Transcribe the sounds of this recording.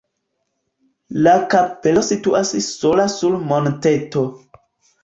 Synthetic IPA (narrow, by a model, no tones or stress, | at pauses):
lakape̞lo̞situʔasso̞lasulmonte̞to